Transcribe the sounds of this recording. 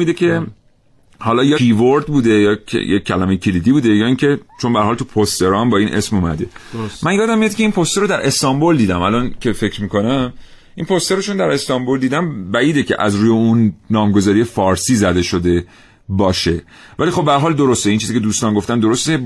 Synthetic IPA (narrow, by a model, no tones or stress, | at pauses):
mid̪ekʰe | hɒːlɒːjeivoɾd̪buːd̪ejɒ̰ːjecʰːælæmejecʰilid̪iːbuːd̪ejɒːincʰe̞t͡ʃʰonbææɾhɒlt̪ʰupʰost̪e̞ɾɒːnbɒːiːnʔe̞̰smumæ̰d̪emænjɒːd̪æmːijɑd̪cʰe̞iːnpʰost̪eɾod̪æɾʔe̞st̪ɒmbold̪iːd̪æmælɒːncʰʲefe̞cʰɾmiːkʰo̞næm | ʔinpʰost̪eɾot͡ʃʰond̪æɾe̞st̪ɒmbold̪iːd̪æmbæiːd̪ecʰḛʔæzɾuːjeunːɒːmɡozɒːɾijefɒːɾsiːzæd̪e̞ʃo̞d̪e̞ | bɒːʃe̞ | vælixob̚ææɾɦɒːld̪o̞ɾost̪e̞int͡ʃʰizicʰʲe̞d̪uːst̪ɒːnɡoft̪ænd̪o̞ɾo̞st̪e